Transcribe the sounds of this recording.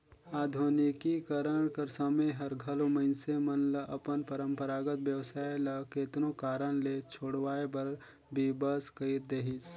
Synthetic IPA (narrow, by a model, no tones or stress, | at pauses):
aːd̪ʱoːnikikəɾəɽ̃kɐɾsəməjɦɐɾɡʱɐlomɐɪnsemɐnlɐʔɐpənpəɾə̃mpəɾaːɡət̪bjəwsaːelɐkeːt̪nõkaːɾəɽ̃let͡ʃʰoːɽʋaːebɐɾ | bʱibəskəɪɾd̪eːɦɪs